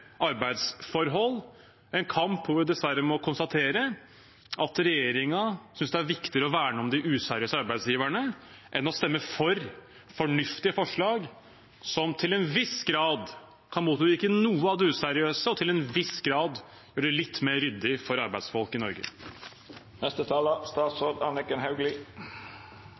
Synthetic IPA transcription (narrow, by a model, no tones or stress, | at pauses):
ʔɑɾbæɪd̪sfɔɾɦɔlː | ɛnkʰɑmpːɔʋʊɖɛd̪ɛsʋæɾːəmɔkʰʊnst̪ɑt̪ʰeːɾə | ʔɑt̪ɾɛjeːɾɪŋɑsʏnsd̪ɛæɾʋɪkt̪ɪɾəɔʋæːɳɔmd̪ɪʔʉːsæɾɪøːsəɑɾbæɪsjiːʋæɳə | ʔɛnɔst̪ɛmːəfɔɾ | fɔɳʏft̪ɪəfɔʂɭɑːɡ | sɔmt̪ʰɪlɛnʋɪsɡɾɑːd̪ | kʰɑnmuːt̪ːɪkːənuːəɑʋd̪ɛʉːsæɾɪøːsəɔt̪ʰɪlɛnʋɪsɡɾɑːd̪ | jøːɖɛlɪt̪ːmeːɾʏd̪ːɪfɔɾɑɾbæɪd̪sfɔlˠkɪnɔ̰ɾɡə̰ | nɛst̪ət̪ʰɑːləst̪ɑːt̪soːd̪ɑnɪkənɦɑʉɡlɪ